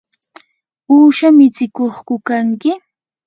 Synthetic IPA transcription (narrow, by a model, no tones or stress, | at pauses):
uːʃamɪt͡sɪkoχkʊkaŋkɪ